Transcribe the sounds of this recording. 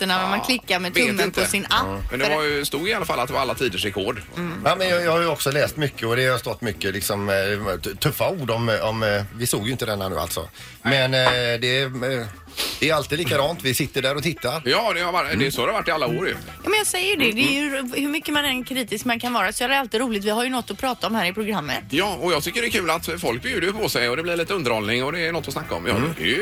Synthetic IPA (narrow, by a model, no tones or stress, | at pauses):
t̪ːəɳanamanklɪkːamɛt̪ɵmːənp̪ʰɔsɪnapːmɛ̰nd̪ɛvajɵst̪uːɡɪalːafalːat̪̚d̪ɛvaɾalːat̪ʰiːd̪əʂɾɛkʰɔːɖaːmɛnjɑjɑːhajʉɔksɔlɛːst̪mʏkːəɔd̪ɛhast̪ɔt̪ːmʏkːəlɪksɔm | t̪ʰɵfːauːɖɔmɔmvɪst̪oːɡjʏɪnt̪əd̪ɛnːanʉ̰ːa̰lt̪sɔ̰ | mɛnd̪ɛ | d̪̥ɛːɾalt̪iːd̪liːkad̪ɑːnt̪vɪsɪt̪ːəɖæːɾɔt̪ʰɪt̪ːaɾjɑːd̪ɛhaɾvaʈ̪ːɛɛsɔhaɾɛhavaʈːɪalːaoːɾjɵ̰ | jɑːmɛnjɑɡsɛjːəɖɛd̪ɛːjhɵmʏkːəmanɛnkʰɾiːt̪ɪskmankʰanvɑːɾasɔalt̪ɪɾuːlɪt̪vɪhaɾjɵnɔt̪ːɔpʰɾɑːt̪aɔmhæːɾɪpʰɾʊɡɾamːə̰t̪jɑːɔjɑːɡt̪ʰʏkːəɖɛkʰʉːlat̪fɔlk̚bjʉːd̪əpʰɔsɛjɔd̪ɛblɪɾɭiːt̪əɵnd̪əɾhɔlnɪŋɔd̪ɛːnɔt̪ːvɔsnakːaɔ̰mjɑ̰ɛ̰